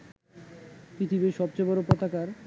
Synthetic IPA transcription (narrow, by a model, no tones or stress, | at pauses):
kɾit̪ʰibeʃɔb̚t͡ɕebɔɾopɔt̪akaɾ